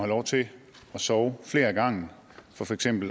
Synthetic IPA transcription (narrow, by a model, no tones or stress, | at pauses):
ælɒʊt͡sʰe̝ | ɒ̽sɒʊfle̝ːɐɡ̥ɑ̈ŋ̰n | fɒ̽fɒ̽eɡ̥sem̰b̥l̩